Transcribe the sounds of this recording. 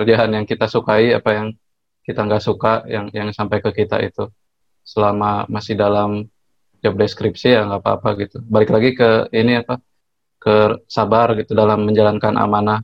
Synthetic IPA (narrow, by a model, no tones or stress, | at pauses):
kɾəd͡ʒaɦanjaŋkit̪asukaiapajaŋ | kit̪aŋɡaʔsukajaŋjaŋsampajkəkit̪a̰ḭt̪u | səlamamasɪhdalam | d͡ʒɔp̚deskɾipsiaŋɡapa̰ːpa̰ɡit̪ubalɪklaɡikəiniapa | kəsabarɡit̪udalamːəɲd͡ʒalankanʔa̰mana